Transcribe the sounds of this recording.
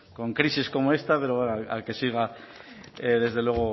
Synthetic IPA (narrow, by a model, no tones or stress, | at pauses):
koŋkɾisisko̞moest̪apeɾoaa̰kesiɣa | eðe̞zðe̞lweɣo